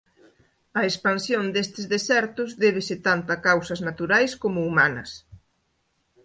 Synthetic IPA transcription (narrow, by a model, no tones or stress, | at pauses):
ɐespansjond̪est̪ɪzðesɛɾt̪ʊzðɛβ̞ɪsɪt̪ant̪ɐkawsɐznat̪uɾajskomʊumanɐ̰s